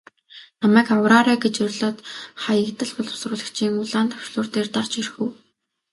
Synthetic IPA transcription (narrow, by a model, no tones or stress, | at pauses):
namæːkawɾaːɾæːɡet͡ɕɵrʲɮɔːt̪χajə̆kt̪ə̆ɮpʊɮʊ̥srʊːɮə̆kt͡ɕʰiːŋʊɮaːnt̪ʰœ̥wʃɮʊːrt̪eːrt̪art͡ɕirxŭw